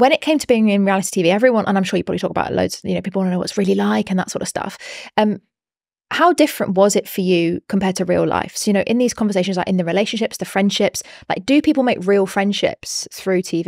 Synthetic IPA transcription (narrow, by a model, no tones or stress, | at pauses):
wə̃ɾ̃ɪʔ̚kʰẽɪ̃mtʰəbiɪ̃ŋɪ̃nɹialɪti̥tʰiːviːɛvɹiwʌ̃nʔə̰̃nãɪ̃mʃɔːjəpɹɒblitɔˑkəba̰ʊʔðə̰lə̰ʊdz̥jɨ̰noʊpʰiːˑpl̩ˠɑ̃nənəʊw̰ɔtsɹɪːəlilaɪkə̃nðətsɔ̰ˑɾə̥stʌ̰fʌ̃m | haʊdɪfɹə̃nʔwɒzɪtfəjəkʰə̃mpʰɛːdtʰəɹḭːla̰ɪfsəʊjɨnoʊʔɪ̃nðiːz̥kʰɒ̃ɱvəs̬eɪʃə̃nzlaɪkɪ̃nðəɹɪleɪʃə̃nʃɪpsðəfɹɛ̃nd̥ʃɪpslaɪk̚d̥əpʰiˑpl̩ˠmeɪkɹiːlˠfɹɛ̃nd̥ʃɪ̰psθɹʉːtʰiːvi